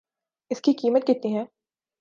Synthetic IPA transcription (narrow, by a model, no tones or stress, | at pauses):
ɪskikiːmət̪̚kɪt̪niɦɛ̃ː